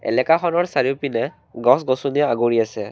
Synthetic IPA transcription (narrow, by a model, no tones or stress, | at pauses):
ɛ̰lɛkaxɔnɔɹsaɹiʊpinɛ | ɡɔsɡɔsuniaaɡoɹiasɛ